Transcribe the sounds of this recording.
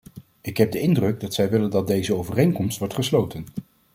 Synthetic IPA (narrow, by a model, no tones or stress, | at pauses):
ɪkɦɛb̚dəɪndrɵɡ̚dɑtsɛjʋɪləndɑd̚dejzəowvərejŋkɔmstʋɔɹtχəslowtən